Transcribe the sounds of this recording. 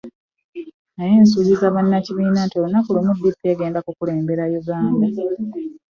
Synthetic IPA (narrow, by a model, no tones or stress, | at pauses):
najeːnsuɟizaβanːaciβiːnatolonakulumudːipːeɡe̞ːndakukule̞ːmbe̞ɾajuɡaːnda